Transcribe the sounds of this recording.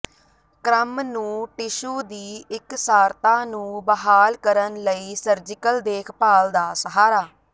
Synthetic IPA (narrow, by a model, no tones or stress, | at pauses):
kɾəmnũːʈɪʃuːd̪iːɪksaːɾt̪ãːnũːbəɦaːlkəɾənləiːsəɾd͡ʒɪkəld̪eːkʰpaːld̪aːsəɦaːɾaː